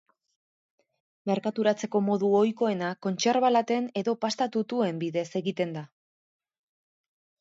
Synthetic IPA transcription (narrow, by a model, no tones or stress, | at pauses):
me̞ɾkat̪uɾat͡se̞ko̞mo̞ðuo̞jko̞e̞nako̞nt͡ʃe̞ɾβalat̪e̞ne̞ðo̞past̪at̪ut̪ue̞mbiðe̞se̞ɣit̪e̞nd̪a